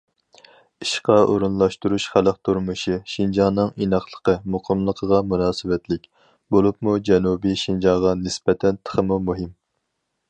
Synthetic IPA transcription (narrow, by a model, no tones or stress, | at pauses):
iʃqɑʔoɾunlˠɑʃt̪uɾuʃχæləq̚t̪ʰuɾmɨʃiʃind͡ʒɑnɨŋinɑχlˠəqʰəmuqʰəmlˠəqʰəʁɑmunɑːsɨwɛt̪ʰlɪkʲ | bolˠupmud͡ʒɛnubiʃind͡ʒɑʁɑnɪsbɛt̪ʰɛnt̪ʰə̥χəmumuɦɪm